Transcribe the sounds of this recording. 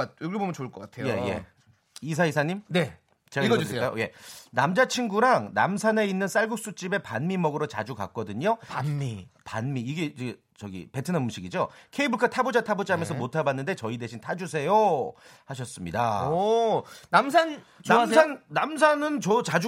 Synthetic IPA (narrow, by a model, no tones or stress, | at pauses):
t̚jokebomjʌnt͡ɕoɭk͈ʌk͈atʰeoeje̞̰ | is̬ʰaisʰaɲimne | t͡ɕeaɡʌsk͈ajoje̞namd͡ʑat͡ɕʰinɡuɾaŋna̰msʰane̞inːɯns͈aɭɡuk̚s͈ut͡ɕ͈ibe̞panmimʌɡɯɾot͡ɕa̰d͡ʑuka̰k͈̚ʌdɯɲoanipanmiːɡe̞ | t͡ɕʌɡḭpe̞tʰɯnʌnmuɕʰiɡid͡ʑokʰe̞ibuɭkʰatʰabod͡ʑatʰabod͡ʑaɦamjʌnsʰʌmotʰabanːɯnde̞t͡ɕʌide̞ɕʰintʰad͡ʑusʰe̞johaɕ̬ʰʌs͈ɯmɲida̰ | namsʰan | t͡ɕaanːams̬ʰanɯnt͡ɕʌt͡ɕad͡ʑu